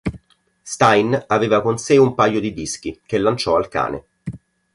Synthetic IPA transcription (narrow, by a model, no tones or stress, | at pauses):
st̪ajnaveːvakonseumpajːod̪id̪isk̟ik̟elːant͡ʃɔalka̰ːnḛ